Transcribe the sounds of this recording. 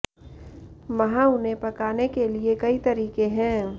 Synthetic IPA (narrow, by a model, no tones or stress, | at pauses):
ʋɐɦãʊnɦẽpɐkaːnekeliekɐit̪ɐɾiːkẽɦɛ̃ː